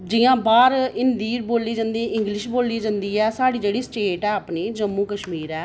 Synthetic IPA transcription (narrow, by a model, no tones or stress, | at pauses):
d͡ʒɪjãːbaːɾɪnd̪iːɾboːliːd͡ʒãːnd̪iːʔɪ̃ŋɡlɪʃboːliːd͡ʒãːnd̪iːɛːsaːɽiːd͡ʒeːɽiːsʈeːʈɛːəpneːd͡ʒəmːuːkəʃmiːɾɛː